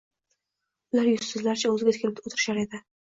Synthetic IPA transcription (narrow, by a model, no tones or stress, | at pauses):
ʊlaɾjʊssɪzlaɾɪt͡ʃʰaɵzɪɡʲat̪ʰɪ̥kʰʲlɪp̚d̪ot̪ʰɪɾɪ̥ʃaɾe̞d̪ɪ